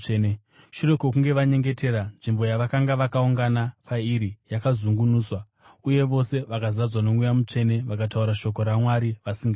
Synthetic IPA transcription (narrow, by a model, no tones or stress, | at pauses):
n | ʃure̞kokuŋɡe̞ʋaɲe̞ŋɡe̞te̞ɾanʐimbo̞jaʋakaŋɡaʋakauŋɡanapʰaiɾijakazuŋɡunuːswa | uje̞ʋo̞se̞ʋakazad͡zwano̞ŋujamut͡ʂe̞ne̞ʋakatauɾaʃo̞k̬o̞ɾamwaɾiʋasiŋɡa